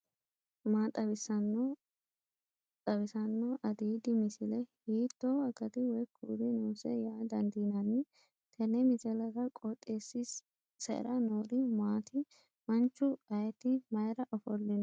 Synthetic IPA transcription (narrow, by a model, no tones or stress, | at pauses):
maːt̪ʼɐbɪsɐn | t̪ʼɐβɪsɐnːɔʔɐd̪iːd̪ɪmɪsɪlɛhiːt̪ːoːɐkːɐt̪ɪwɔjkʰːuːɾɪnuːsɛjaːd̪ɐnd̪iːnɐnːɪ | t̪ʰɛnɛmɪsɛlɐɡɐkʼɔt̪ʼːeːsːis | sɛ̰ɾɐnoːɾɪmaːt̪ɪ | mɐnt͡ʃːʊɐjɛt̪ɪmɐjɾɐʔɔfɔlːɪnɐ